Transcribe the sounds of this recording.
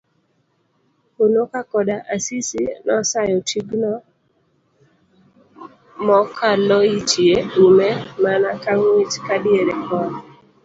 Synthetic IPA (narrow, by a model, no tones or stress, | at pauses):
unokakɔdaʔasisinɔsajɔtʰiɡnɔ | mɔkʰalɔit͡ʃieumemanakaŋwit͡ʃkadɪeɾɛkɔn